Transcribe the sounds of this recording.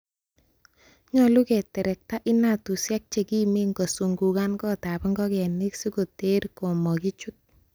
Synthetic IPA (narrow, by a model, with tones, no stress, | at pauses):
ɲɔlu˦kɛ˨tɛ˨ɾɛ˨k̚ta˦ʔɪ˦na˨tu˨sja˦k̚t͡ʃe˨ki˦me˦ŋɡo˨su˨ŋɡu˨ka˦nkɔ˦ta˨pɛŋɡɔ˦kɛ˨ni˦ksi˦ko˨te˦ɾko˨mɔ˨ki˦t͡ʃu˦t̚